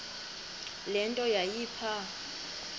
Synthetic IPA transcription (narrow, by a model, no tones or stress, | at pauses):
lɛntʼɔjajiːpʰa